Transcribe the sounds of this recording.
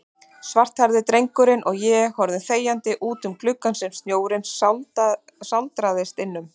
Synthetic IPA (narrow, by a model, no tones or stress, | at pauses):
svar̥t̪haɾðɪt̪ɾejŋkʏɾɪnʔɔɣjɛhɔɾðɪθeːjant̪ɪʔuːt̪ʏmklʏkːansɛmst̪njoːwɾɪns | sawlt̪ɾaðɪst̪ɪnːʏm